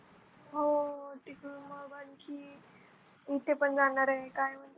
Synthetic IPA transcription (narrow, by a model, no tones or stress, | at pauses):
ɦoʈikuməbənkʰi | it̪ʰepənd͡zanaɾəɦekajm̤ənt̪